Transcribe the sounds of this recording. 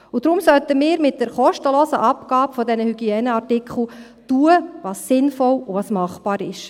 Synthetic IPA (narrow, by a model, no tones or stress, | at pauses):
ud̥ɾʊmsœltəmɪːɾmɪt̚d̥ɛɾχɔʃtəloːsəʔɑpɡɑːbfɔdɛnəhyɡiɛːnəɑrtɪkχl̩ | tuːəʋɑːsːɪnfɔluʋɑːsmɑχb̥ɑːɾɪʃ